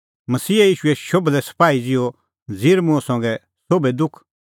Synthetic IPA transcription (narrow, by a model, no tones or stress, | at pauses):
mɐsiːjiːʃuɛʃoblɛsɐ̥paːid͡zɪo | d͡ziːɾmʊ̃sɐ̃ŋɡɛ | soːbed̪ʊkʰ